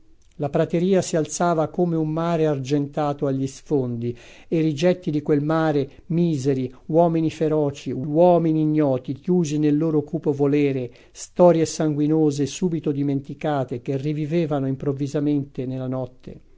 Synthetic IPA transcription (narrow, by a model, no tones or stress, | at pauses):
lapɾat̪eɾiːasialt̪saːvakoːmeumːaːɾeard͡ʒent̪aːt̪oaʎːisfond̪i | erid͡ʒɛt̪ːid̪ikwelmaːɾe | miːzeɾiwɔːminifeɾɔːt͡ʃiwɔːminiːɲːɔːt̪ik̟juːzinelːoːɾokuːpovolɛːɾe | st̪ɔːɾjesaŋɡwinoːzesuːbit̪od̪iment̪ikaːt̪ek̟erːiviveːvanoimpɾovːizament̪enelːanɔt̪ːḛ